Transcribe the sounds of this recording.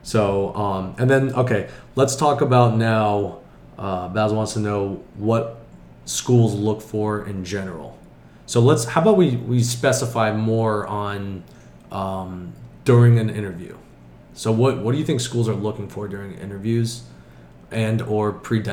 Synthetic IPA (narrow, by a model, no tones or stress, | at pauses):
soʊʌ̃mɨ̃nðɨ̃noʊkʰeɪlətstʰɔkəbaʊtⁿnaʊ | ʔʌbæzwɑ̃ntstʰənoʊwʌt̚ | skulˠzlʊkfə˞ɪ̰̃nd͡ʒɛnə̰˞l̩ˠ | soʊlətshaʊbaʊwiwispɛsəfaɪmɔɹə̃n | ʔʌ̃md̥ʊɹɪ̃ŋɨ̃nɪ̃ɾ̃ə˞vjʉ̰ | soʊwʌt̚wʌt̚d̥ɨjɨθɪ̃ŋkskulˠzə˞lʊkɪ̃ŋfə˞dʊɹɪ̃ŋɪ̰̃ɾ̃ə˞vjʉz | ʔɨ̃nə˞pʰɹ̥idɛ̃